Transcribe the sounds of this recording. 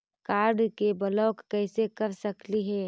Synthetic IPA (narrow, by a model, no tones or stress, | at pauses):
kaːɾɖkebəlɔːkːɛɪsekɐɾsɐkliɦɛː